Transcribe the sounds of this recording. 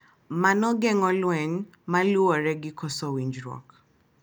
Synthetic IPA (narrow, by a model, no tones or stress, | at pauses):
manɔɡɛŋɔlwɛɲ | maluɔɾɛɡɪkɔsɔwiɲd͡ʒɾɔ̰k